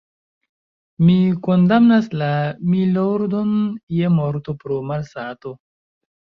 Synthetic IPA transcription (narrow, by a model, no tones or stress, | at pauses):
mikond̪amnaslamilowɾd̪onijemoɾt̪opɾomalsaːt̪o